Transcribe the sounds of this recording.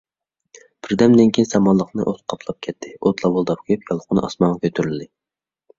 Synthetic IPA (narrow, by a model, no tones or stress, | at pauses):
b̥ɪɾd̪ɛmd̪ɪŋkʲʰijnsɛmɑlˠːəqnɨ̰ʔot̪qʰɑpʰlˠɑp̚kʲʰɛt̪ʰːɪot̪ʰlˠɑbolˠd̪ɑp̚kʰʲyjypjɑlˠəqʰʊnɨ̰ʔɑ̰smɑnʁɑkʲʰøt̪ʰyɾyld̪ɪ